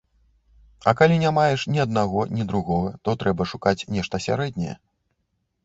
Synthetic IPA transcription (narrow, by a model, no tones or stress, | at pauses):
ɐ̰kalʲinʲamajɛʂnʲiɐd̪̚naɣɔnʲid̪ɾuɣɔɣɐt̪ɔt̪ɾɛbɐʂukat͡sʲnʲɛʂt̪ɐsʲa̰ɾɛd̪ʲnʲɛjɛ̰